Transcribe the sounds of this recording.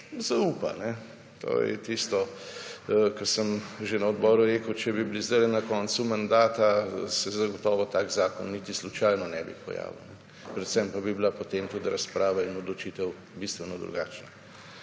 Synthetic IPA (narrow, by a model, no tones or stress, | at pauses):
zaupa̰nɛ | t̪ʰo̰jɛ̰t̪ist̪ɔ | kəsəmʒenɐɔd̪bɔːɾuɾeːkəwt͡ʃɛbiblizd̪ɛlɛnɐkɔnsumand̪aːt̪asɛzɐɡɔt̪ɔːʋɔt̪aːɡzaːkɔ̰nːit̪islut͡ʃajnɔnɛ̰bḭpɔ̰ja̰ːʋḭwnɛ | pɾɛt̪sɛmpabibilapot̪eːmt̪ut̪ɾɐspɾaːʋainɔd̪lɔt͡ʃit̪ɛw | bist̪ʋɛnɔd̪ɾṵɡa̰ːt͡ʃna